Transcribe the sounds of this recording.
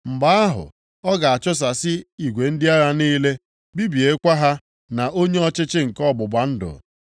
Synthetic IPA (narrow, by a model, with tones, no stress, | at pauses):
m̩˨ba˦a˦ɦʊ̰˨ | ɔ˦ɡa˨a˨t͡ʃʊ˦s̬a˨sɪ˦i˨ɡʷe˨n̩˦dɪ˦a˦ɾa˦ni˦le˦ | bi˦bi˨e˨˦kʷa˦ɦa˦ | na˨ʔo˦ɲe˦ɔ˦t͡ʃɪ˦t͡ʃɪ˦ŋ̩˨kɔ˦˨bʊ˨ba˨n̩˦dʊ̰˨